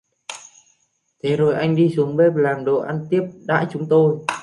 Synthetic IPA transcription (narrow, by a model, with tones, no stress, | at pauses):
t̪ʰe˨˦zo˨˩jʔa˧jŋ̟ɗi˧su˨˦əŋɓe˦˥p̚laː˨˩mɗo˨˩ʔa˧nt̪i˦˥əp̚ɗa̰ː˧˥jt͡ɕʊ˨˦ŋ͡mt̪o˧j